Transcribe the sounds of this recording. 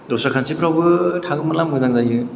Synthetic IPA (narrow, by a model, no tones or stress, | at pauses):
dɔsɾakʰansʰipʰɾawbɯtʰaɡɯmɯlamɯzaŋzajɯ